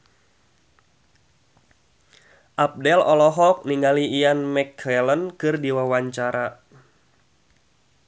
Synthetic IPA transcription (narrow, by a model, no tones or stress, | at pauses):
ʔap̚dɛlɔlɔɦɔk̚niŋaliːanmɛkʰɛlənkɨrdiwawaɲt͡ʃaɾa